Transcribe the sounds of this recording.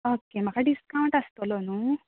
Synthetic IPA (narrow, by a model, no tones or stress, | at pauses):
oːkemɐkaɖiskɐwɳʈɐst̪oloːnu